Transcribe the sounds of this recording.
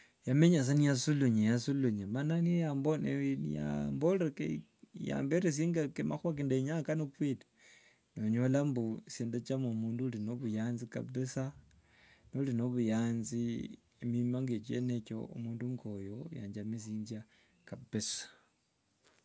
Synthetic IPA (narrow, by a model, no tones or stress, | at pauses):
jameɲas̬anijasuluɲejasuluɲamananijambonenḭja̰mboleke | ja̰ːmbeɾes̬iːŋɡakemaxwak̬endeɲakanopwitḁ | noɲolambuseːndat͡ʃamomuːndulinoβujaːnzika̰besa | nolinoβujaːnzi | emimaŋɡet͡ʃḛneko̰ṵmuːnduŋɡojoja̰ːɲd͡ʒamis̬iːnd͡ʒa | kabesḁ